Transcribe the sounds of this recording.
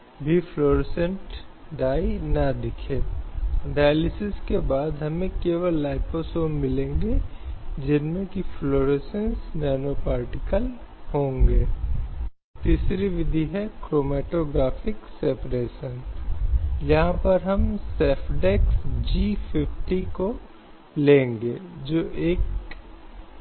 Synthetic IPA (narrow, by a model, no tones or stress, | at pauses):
bʱifloːɾɪsə̃ɳʈ | ɖaːinɐd̪ɪkʰeːɖaːjlɪsɪskebaːd̪ɦɐmẽkeːʋəlːaːɪposoːmmɪlẽːŋɡed͡ʒɪnmẽkifloːɾesə̃nsnɛːnopaːɾʈɪkəlhõːŋɡeː | t̪iːsɾiʋɪd̪ʱiɦɛkɾoːmɛːʈoːɡɾaːfɪksɛpɾeːʃən | jɐɦãpɐɾɦɐmsɛːpʰɖɛksd͡ʒiːpʰɪfʈiko | lẽːŋɡeːd͡ʒoːʔeːk